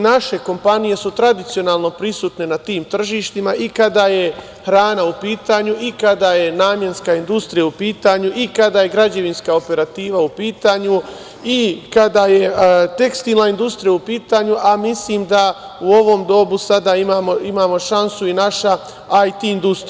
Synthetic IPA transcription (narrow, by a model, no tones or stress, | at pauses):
naʃe̞ko̞mpanije̞sut̪ɾad̪it̪sijo̞naːlˠno̞pɾisuːt̪ne̞nat̪iːmt̪r̩ʒiːʃt̪imaʔikad̪aje̞ | hɾaːnaupiːt̪aːɲuikad̪aje̞naːmje̞nskaind̪ust̪ɾijaupiːt̪aːɲuʔikad̪aːje̞ɡɾad͡ʑe̞ʋinskao̞pe̞ɾat̪iːʋaupiːt̪aːɲu | ikad̪ajet̪e̞kst̪iːnlaind̪ust̪ɾijaupiːt̪aːɲuʔamisliːmd̪a | uo̞ʋo̞ːmd̪o̞busad̪aimaːmo̞imaːmo̞ʃansuinaʃa | ajt̪iːnd̪ust̪ɾ